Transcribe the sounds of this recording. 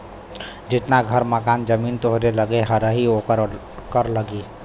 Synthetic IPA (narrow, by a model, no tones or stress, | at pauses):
d͡ʒɪt̪naɡʱəɾməkand͡ʒəmint̪oɦɾeləɡeɦəɾəɦiokəɾ | kəɾləɡi